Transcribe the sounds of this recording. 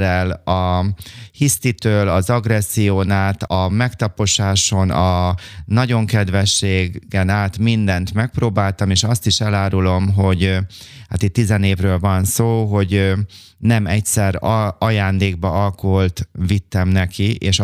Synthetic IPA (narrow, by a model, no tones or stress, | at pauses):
ɛlɒ | hist̪it̪øːlɒzɒɡrɛsːijoːnaːt̪ɒmɛkt̪ɒpo̞ʃaːʃo̞nɒnɒɟo̞ŋkɛd̪ʋɛʃːeːɡɡɛnaːt̪mind̪ɛnt̪mɛk̚proːbaːlt̪ɒmeːʃɒst̪iʃɛlaːɾulo̞mɦo̞ɟha̰ːt̪it̪ːizɛneːvrøːlvɒnsoːɦo̞ɟ | nɛmɛcsɛrɒjaːnd̪eːɡ̚bɒɒlkoɦolt̪vit̪ːɛmnɛkiʔeːʃ